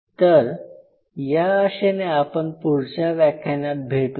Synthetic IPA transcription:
t̪əɾ | jaəɕeneapəɳpuɾt͡ɕaʋakʰenat̪̚bʱeʈ

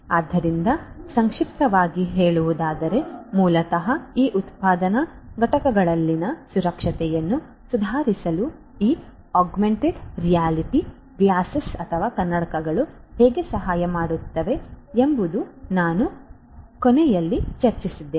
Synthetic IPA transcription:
aːd̪ːɐɾind̪ɐsɐŋkʂip̚t̪ɐʋaːɡiɦeːɭuʋud̪aːd̪ɐɾe̞muːlɐt̪ɐɦɐiːʔut̪paːd̪ɐnɐɡɐʈɐkɐɡɐɭɐlːinɐsuɾɐkʂɐt̪ɛjɐnːu | sud̪ʱaːɾisɐlu | iː | aːɡmeɳʈeɖɾijaːliʈi | bijaːsɐsɐt̪ʰɐʋaːkɐnːɐɽɐkɐɡɐɭu | hɛːɡe̞sɐɦaːjɐmaːɽut̪ːɐʋe̞embud̪unaːnu | konɛjɐlːit͡ʃɐɾt͡ʃisid̪ːeː

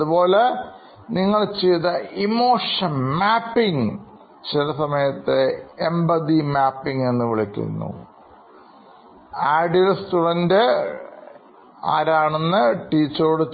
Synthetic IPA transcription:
ɐðubo̞ːle̞ | niŋːɐɭt͡ɕeːðɐimo̞ːʂɐnmaːpːiŋ | t͡ɕilɐsɐmɐjɐt̪ːeembɐd̪imaːpːiŋe̞nːɨʋiɭikʲːṵnːṵ | aːɖilstuɖɐnde | a̰ːɾaːɳenːɨʈiːt͡ɕːɐɾuɽe

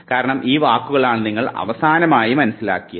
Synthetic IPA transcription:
kaːɾɐɳɐmʔiːʋaːkːuɣɐɭaːɳniŋːɐɭɐ̰ʋɐsaːnɐmaːjimɐnɐsila̰ːkːijɐ

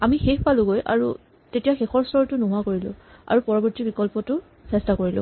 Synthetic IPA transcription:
amixexpalʊɡojʔa̰ɹu | tetijaxexɔɹstʰɔɹtʊnʊɦʊakoɹilʊ̰̃a̰ɹupɔɹɔbɔɹtibikɔlpɔtʊ | sɛstakoɹilʊ̰̃

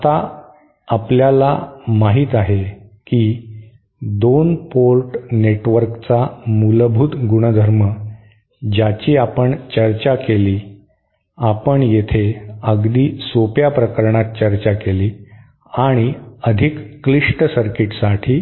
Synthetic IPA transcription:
t̪aː | pljalamaɦiːt̪aɦekiː | d̪onpolʈneʈʋəɾkt͡samulbʱut̪ɡuɽ̃əd̪ʱəɾmə | d͡ʑat͡ɕiːapəɳt͡ɕəɾt͡ɕakeliː | apəɳjet̪ʰeəɡd̪iːsopjapɾəkəɾɳat̪̚t͡ɕəɾt͡ɕakeliː | aɽ̃iəd̪ʱikːliʂʈsəɾkiʈsaʈʰiː

